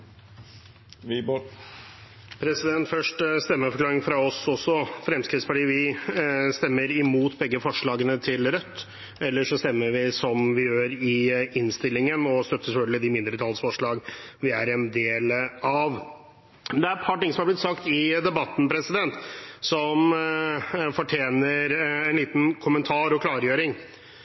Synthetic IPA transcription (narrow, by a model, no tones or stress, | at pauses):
pʰɾɛsɪd̪ɛnt̪fœʂʈst̪ɛmːəfɔɾklɑːɾɪŋfɾɑɔsɔsːɔfɾɛmskɾɪt̪sfɔɖiːʋɪ | st̪ɛmːəɾɪmuːt̪bɛɡːəfɔʂɭɑːɡənət̪ʰɪlɾœt̪ː | ɛlːəʂɔst̪ɛmːəɾʋɪsɔmʋɪjøːɾɪɪnst̪ɪlːɪŋənɔst̪œt̪ːəsɛfœlɡ̪lɪd̪ɪmɪnd̪ɾət̪ʰɑlsfɔʂɭɑːɡʋɪæɾɛnd̪eːlɑʋ | md̪ɛæɾɛt̪pʰɑʈɪŋəsɔmhɑblɪt̪sɑkt̪ɪd̪ɛbɑt̪n̩pʰɾɛsɪd̪ɛnt̪sɔm | fɔʈʰjeːnəɾɛnliːt̪n̩kʰʊmənt̪ʰɑːɾɔkʰlɑːɾjøːɾɪŋ